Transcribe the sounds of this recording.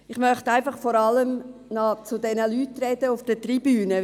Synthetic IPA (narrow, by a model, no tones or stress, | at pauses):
ɪχmœχtæɪfɑχfɔɾɑləmnɑt͡sʊdɛnəlyːtɾɛd̥əʊfd̥ətribyːnə